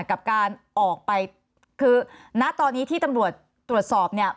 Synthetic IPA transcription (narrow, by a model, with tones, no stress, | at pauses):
ka˨˩p̚kaː˧nʔɔː˨˩k̚pa˧j | kʰɯː˧na˦˥ʔt̪ɔː˧nːiː˦˥t̪ʰiː˥˩t̪a˧mɾu˨˩ət̪̚ːɾu˨˩ət̪̚sɔː˨˩p̚ni˥˩ə